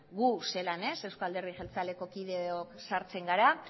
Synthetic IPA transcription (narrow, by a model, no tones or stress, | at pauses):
ɡuse̞lane̞se̞wskoald̪e̞ɾðixelt͡sale̞ko̞kiðe̞oksaɾt͡se̞ŋɡaɾa